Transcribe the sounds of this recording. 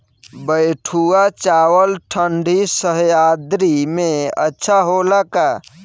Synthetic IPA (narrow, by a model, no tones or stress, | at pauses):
bəjʈʰuat͡ʃawəlʈʰəɳɖʱisəɦjad̪ɾimeə̰tːʃʰaɦolaka